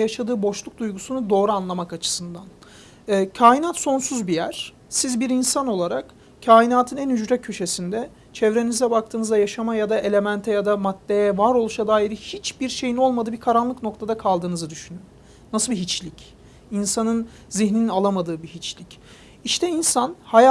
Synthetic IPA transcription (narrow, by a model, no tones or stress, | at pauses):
jaʃad̪ɯːbo̞ʃlˠuk̚d̪ujɡusunud̪o̞ːɾuanlˠamakat͡ʃʰɯ̥sɯnd̪anː | cʰaːjinat̪so̞nsuzbijæɾ̥ | sizbiɾinsano̞lˠaɾak | cʰaːjinaːt̪ʰɯnænyd͡ʒɾɛcʰø̞ʃe̞sind̪ɛ | t͡ʃʰɛvɾe̞nizɛbak̚t̪ʰɯːnɯzajaʃamajad̪aʔe̞lʲe̞mænt̪ʰɛjad̪amat̪ːejɛvaɾo̞lˠuʃad̪aːiɾihit͡ʃbiɾʃe̞jino̞lˠmad̪ɯːbikʰaɾanlˠɯkno̞k̚t̪ʰad̪akʰalˠd̪ɯːnɯzɯd̪yʃynynː | asɯbiɦit͡ʃlʲic | insanɯn | ziɦnininalˠamad̪ɯːbiɦit͡ʃlʲic | iʃt̪ʰɛinsanhaj